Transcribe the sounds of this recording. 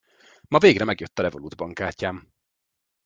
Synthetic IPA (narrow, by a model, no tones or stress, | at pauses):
mɒveːɡrɛmɛɡjøt̪ːɒlɛvolud̪bɒŋkaːcːaːm